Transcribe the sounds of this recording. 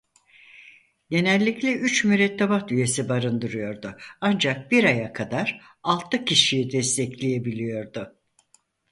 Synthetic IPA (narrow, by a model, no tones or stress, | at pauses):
je̞nɛlʲːiclʲɛyt͡ʃmyɾɛt̪ʰːebat̪yje̞sibaɾɯnd̪ɯɾɯjo̞ɾd̪ʊand͡ʒak̚biɾajakʰad̪aɾ | alˠt̪ʰɯcʰiʃijid̪ɛst̪ʰɛclʲeje̞bilʲijo̞ɾd̪ʊ